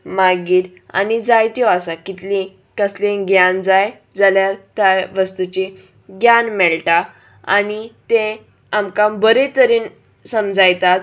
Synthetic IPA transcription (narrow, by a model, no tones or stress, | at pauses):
maɡiːɾ | a̰nid͡zajt̪jɔasakit̪lĩ | kəslẽɡjand͡zaj | d͡zaljaɾt̪jaʋəst̪ut͡ɕĩ | ɡjanmɛɭʈa | a̰nit̪ẽ | amkambəɾet̪əɾiːn | səmd͡zajt̪at̪̚